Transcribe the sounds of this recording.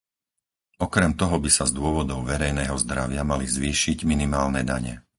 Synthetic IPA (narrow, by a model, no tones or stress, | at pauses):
ɔkɾɛmt̪ɔɦɔbisazd̪ʊɔʋɔd̪ɔʊʋɛɾɛjnɛːɦɔzd̪ɾaʋɪamalizʋiːʃiɟminimaːlnɛd̪aɲɛ̰